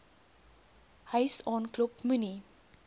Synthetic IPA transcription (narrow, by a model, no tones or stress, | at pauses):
həjsɔnklup̚mʉni